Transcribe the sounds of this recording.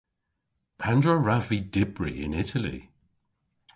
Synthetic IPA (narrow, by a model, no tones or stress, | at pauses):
pʰandɹəɹavidɪbɹḭɪ̰nɪtʰəlḭ